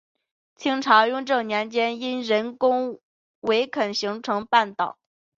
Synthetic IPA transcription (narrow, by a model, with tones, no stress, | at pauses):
t͡ɕʰi˥ŋʈ͡ʂʰɑ˧˥jʊ˥˧ŋʈ͡ʂɤ˥˩njɛ˧˥nt͡ɕjɛ˥ni˥nɻə˧˥nkʊ˥ŋ | we˧˥ɪkʰə˨˩nɕi˧˥ŋʈ͡ʂʰɤ˧˥ŋpa˥˩nt̪ɑ˨˩˦ʊ